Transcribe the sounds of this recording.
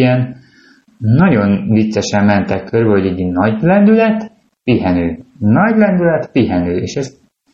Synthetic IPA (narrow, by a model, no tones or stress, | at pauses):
ɛn | ɒɟo̞nvit̪sɛʃɛmːɛnt̪ɛkːørbɛɦo̞ɟɛɟnɒɟlɛnd̪ylɛt̪ | piɦɛnøːnɒɟlɛnd̪ylɛt̪piɦɛnøːḛːʃɛz